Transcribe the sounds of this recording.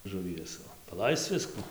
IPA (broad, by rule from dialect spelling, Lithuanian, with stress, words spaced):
ʒʊˈʋʲiɛs pɐˈlˠɐɪst͡s ˈʋʲɪskʊ